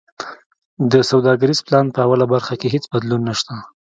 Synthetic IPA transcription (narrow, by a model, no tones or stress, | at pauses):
d̪əsawd̪ɑɡaɾiz̥plɑnpəawalabaɾxakeɦet͡sbad̪lunːaʃt̪a